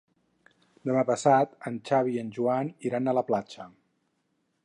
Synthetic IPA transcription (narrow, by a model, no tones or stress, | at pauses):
d̪əmapəsat̪ənt͡ʃaβiənʒuaniɾanələplat͡ʃə